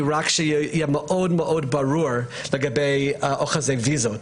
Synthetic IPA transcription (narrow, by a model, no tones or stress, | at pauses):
ɹakʃəjɛməʔoːdməʔoːd̚baɹuːɹləɡabeɪoχazeɪviːzot